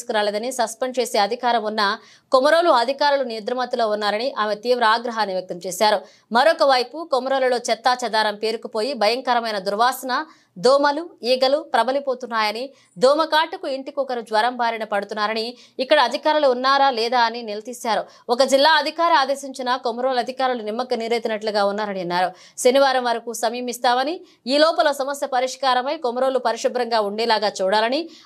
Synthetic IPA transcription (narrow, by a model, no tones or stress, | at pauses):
skuɾaːled̪ɐnisɐspenɖt͡ʃe̞ːseːɐd̪ʱikaːɾɐmunːɐ | komɐɾoːluɐd̪ʱikaːɾulunijud̪ɾɐmɐt̪ilo̞ːunːaːɾɐniʔaːmet̪iːʋɾɐaːɡɾɐɦaːnːiʋjɐk̚t̪ɐmt͡ʃeːʃaːɾu | mɐɾokɐʋɐjpukomɐɾoːlɐlo̞ːt͡ʃɛt̪ːaːt͡ʃɐd̪aːɾɐmpeːɾukupo̞ːjibʱɐjɐŋkɐɾɐmɐjnɐd̪uɾʋaːsɐnɐ | d̪ɔːmɐluiːɡɐlupɾɐbɐlipoːt̪unːaːjɐni | d̪ɔːmɐkaːʈukuiɳʈikɔkɐɾud͡ʒʋɐɾɐmbaːɾɐnɐpɐɽut̪unːaːɾɐni | ikːɐɽɐːd̪ʱikaːɾuluːnːaːɾɐlɛːd̪aːɐninilɐt̪iːsaːɾu | ɔkɐd͡ʒilːaːɐd̪ʱikaːɾɐaːd̪e̞ːsiɲt͡ʃinɐkomɐɾoːlɐd̪ʱikaːɾulunimːɐkɐniːɾeːt̪inɐʈluɡaːunːaːɾɐniɐnːaːɾu | ʃɐniʋaːɾɐmʋɐɾɐkusɐmiːmist̪aːmɐni | iːlɔːpɐloːsɐmɐsjɐpɐɾiʂkaːɾɐmɐjkomɐɾo̞ːlupɐɾiʂibɾɐŋɡaːuɳɖɛːlaːɡaːt͡ʃuːɽaːlɐni